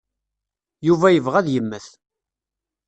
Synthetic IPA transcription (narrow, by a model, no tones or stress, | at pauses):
juvæjəvʁæðjəmːəθ